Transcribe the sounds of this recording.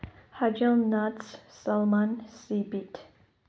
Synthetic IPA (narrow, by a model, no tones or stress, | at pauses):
had͡ʒalˠnatssalˠmansibitʰ